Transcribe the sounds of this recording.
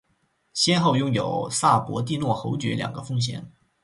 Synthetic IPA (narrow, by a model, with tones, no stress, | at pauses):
ɕjɛ˥nxo˥˩ʊjʊ˥ŋjo˨˩ʊsa˥˩pwɔ˧˥t̪̬i˥˧nwɔ˥˩xo˧˥ʊt͡ɕɥɛ̰˧˥ljɑ̰˨˩ŋɡə˦fɤ˥ŋɕ̬jɛ̰˨˩˦n